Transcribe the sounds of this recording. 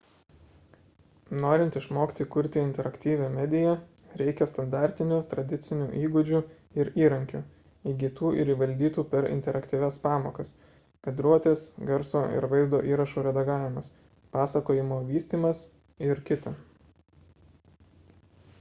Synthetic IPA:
noːɾʲɪnt̪ɪʃmoːkʲɪ̥t̪ʲikʊɾʲt̪ʲɪɪnʲt̪ʲɛɾɐkt̪ʲiːʋʲɛːmʲɛd̪ʲɪjɛ | ɾʲɛɪkʲɛst̪ɐnd̪ɑːˑɾʲt̪ʲɪnʲuːt̪ɾɐd̪ʲɪt̪sʲɪnʲuːʔiːɡʊd͡ʒʲu | ɪɾiːɾɐŋʲkʲʊ | iɡʲit̪uːʔɪɾiːʋɐlʲd̪ʲiːt̪uːpʲɛɾɪ̰nʲt̪ʲɛɾʔɐkt̪ʲiːʋʲɛspɑːmoːkɐs | kʲɛd̪ɾuɔt̪ʲeːsɡɛɾsoːɪ̰ɾʋɐɪzd̪o̰ːʔiːɾɐʃuːɾʲɛd̪ɐɡɑːʋʲɪmɐs | pɑːsɐkoːjɪmoːʋʲiːsʲt̪ʲiːmɐs | ɪɾkʲɪt̪ɐ

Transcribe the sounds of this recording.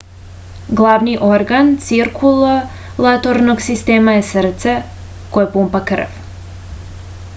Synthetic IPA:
ɡlˠaʋniʔo̞ɾɡant̪siɾkʰulˠo | lˠat̪oɾnoɡsist̪eːmajesr̩t̪se | kojepumpakr̩ʋ

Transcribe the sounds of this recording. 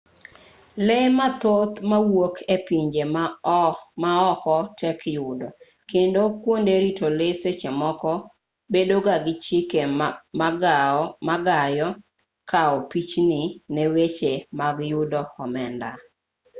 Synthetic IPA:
lemat̪ot̪mawokʰepiɲd͡ʒem | maɔkɔtʰɛkjʊdɔ | kendokwondeɾitoleset͡ʃemɔkɔ | bedoɡaɡɪt͡ʃɪkemaɡmaɡajɔ | kʰaɔpit͡ʃnɪnewet͡ʃemaɡjʊdɔɔmɛnda

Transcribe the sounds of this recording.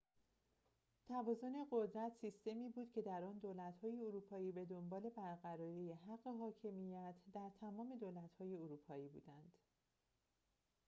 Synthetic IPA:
t̪ʰævɒːzo̞ne̞ɢo̞d̪ɾæt̪sist̪e̞miːbuːd̪̥cʰe̞d̪æɾɒːnd̪oːlæt̪hɒːje̞oɾuːpʰɒːiːbe̞d̪ombɒːle̞bæɾɢæɾɒːɾiːjeɦæɢːe̞ɦɒːcʰe̞mijæt̪ʰd̪æɾt̪ʰæmɒːme̞d̪oːlæt̪hɒːje̞oɾuːpʰɒːiːbṵːd̪ænd̪̥

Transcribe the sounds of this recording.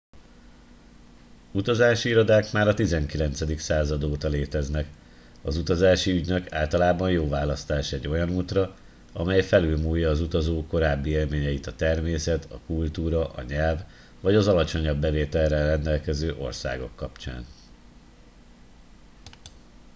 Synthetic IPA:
ut̪ɒzaːʃiiɾod̪aːkmaːɾɒt̪izɛŋkilɛnt̪sɛd̪iksaːzɒd̪oːt̪ɒleːt̪ɛznɛk | ɒzut̪ɒzaːʃiyɟnøka̰ːlt̪ɒlaːbɒnjoːvaːlɒst̪aːʃɔɛɟːo̞jɒnuːt̪rɒ | ɒ̰mɛjfɛlylmuːjːɒːzut̪ɒzoːkːo̞ɾaːbːieːlmeːɲɛjit̪ɒt̪ɛrmeːsɛt̪ʰɒ̰kult̪uːɾɒʔɒ̰ɲɛlvː | ɒɟɒzɒlɒt͡ʃo̞ɲɒbːɛveːt̪ɛlrɛrɛnd̪ɛlkɛzøːʔo̞̰rsa̰ːɡo̞̰kːɒpt͡ʃa̰ːn

